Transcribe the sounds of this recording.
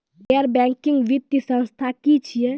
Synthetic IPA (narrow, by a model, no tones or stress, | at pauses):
ɛəɾbɛ̃ŋkĩŋɡʋit̪jəsə̃nst̪ʰakit͡ʃʰije